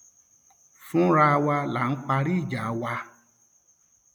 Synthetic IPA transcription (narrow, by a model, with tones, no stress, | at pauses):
fũ˦ɾa˧wa˧la˨n̩˦k͡pa˧ɾi˦˨d͡ʒa˨˦wa˧